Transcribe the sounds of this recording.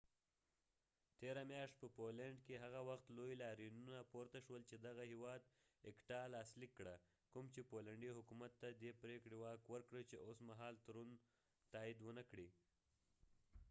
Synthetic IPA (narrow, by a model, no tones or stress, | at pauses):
t̪eɾamjɑʃt̪̚pəpolaɳɖkeɦaɣawaxt̪lojlɑɾinunapoɾt̪aʃwəlt͡ʃed̪aɣahiwɑd̪ | ɪkʈɑlɑslikːɽa | kumt͡ʃepolaɳɖiɦʊkumat̪ːad̪epɾekɽewɑkwəɾkɽət͡ʃeʔosmaɦɑlt̪aɾun | t̪ɑid̪wənakɽi